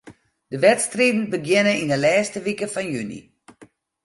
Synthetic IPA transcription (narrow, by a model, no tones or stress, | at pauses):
d̥əʋɛtstriːdn̩bəɡjɪnəindəlɛːstəʋikəfɔnjynḭ